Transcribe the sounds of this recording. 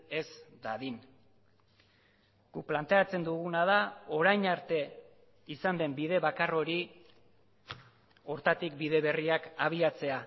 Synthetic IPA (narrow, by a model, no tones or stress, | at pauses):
e̞zd̪aðin | ɡ̥uplant̪e̞at͡se̞nd̪uɣunaðao̞ɾajnaɾt̪e̞ | isand̪e̞mbiðe̞βakaro̞ɾi | o̞ɾt̪at̪ik̚biðe̞βe̞riakaβ̞iat͡se̞a